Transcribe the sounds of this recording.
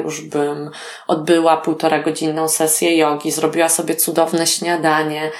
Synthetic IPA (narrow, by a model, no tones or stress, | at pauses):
juʐbɘm | ʔɔd̪̚bɘwapuwt̪ɔɾaɡɔd͡ʑinːɔ̃w̃sɛsʲjɛjɔɡʲizɾɔbʲiwasɔbʲjɛt̪sud̪ɔvnɛɕɲad̪aɲɛ